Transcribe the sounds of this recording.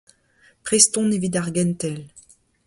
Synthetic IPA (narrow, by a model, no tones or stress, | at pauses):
pχest̪ɔ̃nevid̪aʁɡɛ̃nt̪ɛl